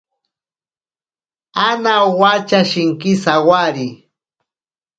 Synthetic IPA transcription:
anawat͡ʃaʃɪŋkɪsawaɾi

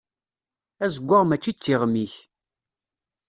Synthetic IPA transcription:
æzəɡʷːaʁmæt͡ʃːit͡sːiʁmiç

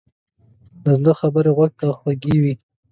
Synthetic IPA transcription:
lazd̪əxabəɾeɣwaɡ̚t̪axwaɡiwi

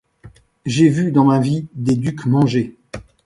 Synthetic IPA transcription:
ʒevyd̪ɑ̃mavid̪ed̪ykmɑ̃ʒe

